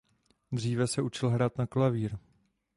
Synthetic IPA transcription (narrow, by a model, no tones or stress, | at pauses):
d̪r̝iːvɛsɛut͡ʃɪlɦɾaːt̪naklaviːɾ